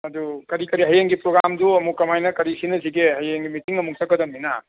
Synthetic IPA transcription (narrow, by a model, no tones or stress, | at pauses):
ɐdukɐɾikɐɾiɦɐjeŋɡipɾoɡɾamduɐmukːɐmajnɐkɐɾisinɐziɡehɐjeŋɡimitiŋɐmuk̚tʰɐkːɐdɐmːina̰